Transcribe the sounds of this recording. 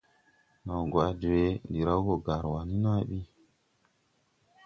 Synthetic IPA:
na˨wɡwa˨˦d͡ʒu˨we˦ndi˨ɾa˦wo˨ɡa˨ɾwa˨nu˦na˦ɓi˦

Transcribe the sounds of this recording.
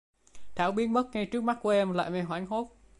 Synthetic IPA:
t̪ʰaː˨˩wɓi˦ənɓə˦˥t̚ŋa˧jt͡ɕɨ˦˥ək̚ma˦˥t̚ku˨˦ʔɛ˧mla̰ː˧˨jma˧jɦwaː˨˦ŋɦo˦˥t̚

